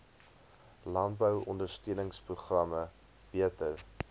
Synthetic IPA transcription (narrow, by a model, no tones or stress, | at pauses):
lɐntbəwɔndərstiənəŋspruχrɐmə | b̥iətər